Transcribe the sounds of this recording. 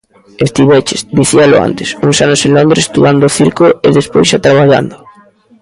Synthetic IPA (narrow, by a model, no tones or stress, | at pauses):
est̪iβɛt͡ʃɪsd̪iθialʊ̰a̰nt̪ɪ̥suŋsanʊseŋlond̪ɾest̪uand̪ʊθiɾkoeðespojsʃat̪ɾaβaʎa̰nd̪ʊ